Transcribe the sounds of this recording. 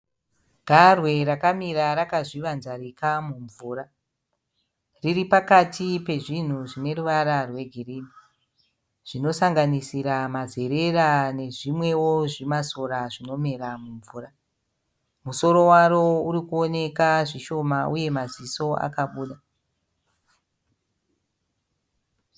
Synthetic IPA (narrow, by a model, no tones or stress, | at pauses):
ɡ̥ʱarwe̞rakamiɾaɾakaʐiʋanzarikamuɱvuːra | riripakatʰipe̞ʐin̤uʐine̞ruʋaɾarwe̞ɡʱiriːni | ʐ̥ino̞saŋɡanisiɾamaze̞ɾe̞rane̞ʐimwe̞woʐimaso̞ɾaʐino̞me̞ɾamuɱvuːra | muso̞ɾo̞waɾo̞uɾikuo̞ne̞kaʐiʃo̞mauje̞maziso̞a̰kaɓuːɗa